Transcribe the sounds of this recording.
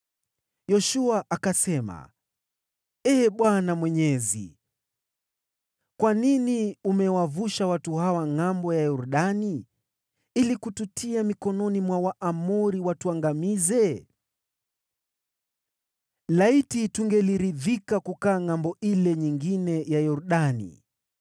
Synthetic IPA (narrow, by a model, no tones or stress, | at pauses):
jɔʃuaʔakasɛma̰ | ɛːɓwanamwɛɲɛzḭ | kwaniniumɛwavuʃawatuhawaŋambɔjajuɾuɗani | ilikututʰiamikɔnɔnimwawaʔamuɾiwatuaŋɡamizɛ | laitituŋɡɛliɾiðikakukaːŋambɔʔilɛɲiŋɡinɛjajɔɾuɗanḭ